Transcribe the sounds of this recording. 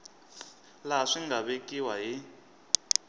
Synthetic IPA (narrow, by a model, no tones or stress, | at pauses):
laʂiŋɡaβekʼiwaɦi